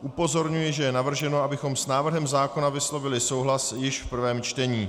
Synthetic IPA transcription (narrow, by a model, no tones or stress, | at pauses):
ʔupo̞zo̞ɾɲujɛʒɛjɛnavr̩ʒɛnoabɪxo̞msnaːvr̩ɦɛmzaːko̞navɪslo̞vɪlɪso̞wɦlasjɪʃfpr̩vɛːmt͡ʃt̪ɛɲiː